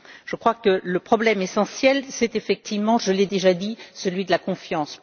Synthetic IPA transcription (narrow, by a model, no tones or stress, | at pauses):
ʒ̥əkχwakələpχɔblɛmesɑ̃sjɛlsɛt̪efɛk̚t̪ivmɑ̃ʒəlɛd̪eʒad̪isəlɥid̪əlakɔ̃fjɑ̃s